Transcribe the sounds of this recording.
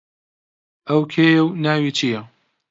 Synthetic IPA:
ʔɐwkʰeːjɐwnaːwiːt͡ʃʰijɐ

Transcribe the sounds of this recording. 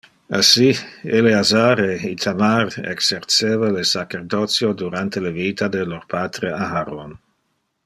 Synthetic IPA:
asieleazaɾeit̪ʰamaɾḛkseɾt͡seːvalesakeɾd̪ot͡sjod̪uɾant̪elevit̪ʰad̪eloɾpat̪ɾeaɦaɾon

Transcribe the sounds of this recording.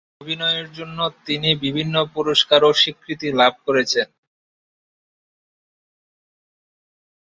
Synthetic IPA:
obʱinɔeeɾd͡ʑonːot̪inibibʱinːopuɾoʃkaɾoʃikʰːɾit̪ilab̚ʱkoɾet͡ɕʰen

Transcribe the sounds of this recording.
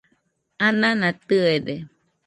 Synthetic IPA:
ãnãnãt̪ɯede

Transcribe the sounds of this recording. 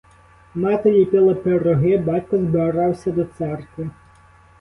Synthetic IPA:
mɑt̪elʲipʲɪlˠɐpeɾɔɦɪbɑtʲkɔzbɪɾɑwsʲɐd̪ɔt̪sɛrkʋɪ

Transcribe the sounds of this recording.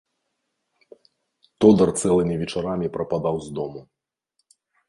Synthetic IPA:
t̪ɔd̪ɐrt̪sɛlˠɨmʲivʲɛt͡ʂaɾamʲipɾɐpad̪awzd̪ɔmu

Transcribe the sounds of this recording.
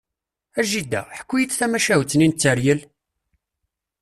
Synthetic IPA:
æʒid̪ːæ̰ħə̥kʷːujit͡sːθæmæʃæwt͡snint͡sːəɾjəl

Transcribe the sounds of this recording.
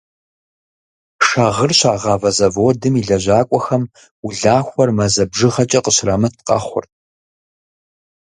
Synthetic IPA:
ʂaːʁərɕaːʁɑːvɐzɐvodɨmiɮɐʑaːkʷʼɔxɐm | ʊɮaːxʷɔrmɐzɐbʒɨʁɐt͡ʃʼɐqəɕraːmɐt̚ʰqʼɐ̰χʷʊ̰rt̚ʼ

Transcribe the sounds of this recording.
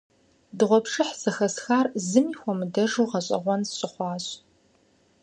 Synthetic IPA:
dɨʁʷɔpʂɨħz̥ɐxɐsxaːrzɨmiːxʷɔmɨdɐʐuːʁɐɕʼɐ̰ʁʷɔnsɕʼɪχʷɑːɕʼ

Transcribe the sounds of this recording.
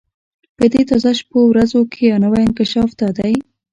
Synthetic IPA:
pəd̪et̪ɑzɑʃpowɾazokʰejɑnawajɪnkɪʃɑfd̪ad̪aj

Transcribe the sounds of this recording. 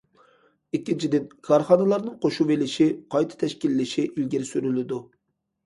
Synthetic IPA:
ikʲːint͡ʃʰid̪ɪnkʰɑɾχɑnɨlˠɑɾnɨŋqʰoʃuvelɪʃiqʰɑjt̪ʰɨ̥t̪ʰɛʃkʲilːɪʃiʔilɡʲiɾsyɾylɪd̪u

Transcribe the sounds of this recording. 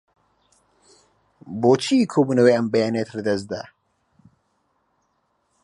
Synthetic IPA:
boːt͡ʃʰikʰoːbuːnəweːɐmbɐjaːnet̪ʰlɛd̪ɐs̚d̪a̰

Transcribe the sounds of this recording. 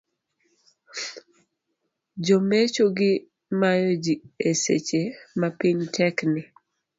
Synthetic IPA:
d͡ʒomet͡ʃoɡɪ | majod͡ʒiesḛt͡ʃemapiɲtʰɛknɪ

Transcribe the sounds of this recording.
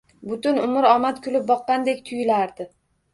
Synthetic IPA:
bʊt̪ʊnʊmɪɾɒmat̪kʲʰʊlɪp̚bɒqːɑnd̪e̞kʲt̪ʰʊjɪlaɾd̪ɪ

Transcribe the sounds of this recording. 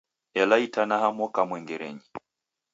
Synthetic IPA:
ɛlaitanahamwɔkamwɛŋɡɛɾɛ̰ɲi

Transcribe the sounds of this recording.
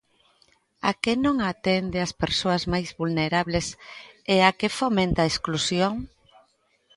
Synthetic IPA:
akenõŋat̪end̪easpeɾsoɐzmajzβulneɾaβleseakefomẽnt̪aesklusjoŋ

